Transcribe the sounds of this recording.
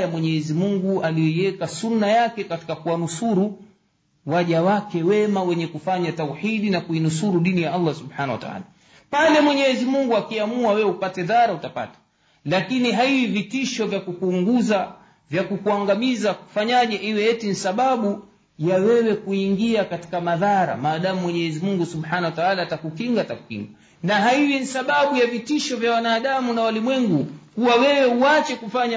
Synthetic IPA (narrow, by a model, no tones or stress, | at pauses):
jamwɛɲɛɛzimuŋɡualijɔiɛkasunːajakɛkati̥kakuwanusuɾu | waʄawakɛwɛmawɛɲɛkufaɲatauħiɗinakuinusuɾuɗinijaalːasuɓħanawa̰ta̰a̰ːla | palɛmwɛɲɛːzimuŋɡuakiamuawɛwupatɛðaɾautapa̰tḁ | lakiniɦaivivitiʃɔvjakukuŋɡuza | vjakukuaŋɡamizaku̥faɲaʄɛʔiwɛjɛtinisaɓaɓu | jawɛwɛkuiŋɡiakati̥kamaðaɾa̰maːɗamumwɛɲɛɛzimuŋɡusuɓhanawataalatakukiŋɡataku̥kḭŋɡa | naɦaivinisaɓaɓujavitiʃɔvjawanaːɗamunawalimwɛŋɡukuwawɛwɛuat͡ʃɛkufaɲa